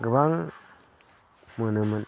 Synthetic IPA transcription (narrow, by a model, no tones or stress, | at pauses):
ɡəbaŋ | mənɯmən